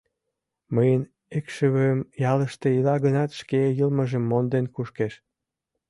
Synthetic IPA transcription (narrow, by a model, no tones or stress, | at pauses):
məjən | ekʃəβøəmjɑləʃt̪eilɑɣənɑt̪ʃkejəlməʒə̆mːond̪enkuʃkeʃ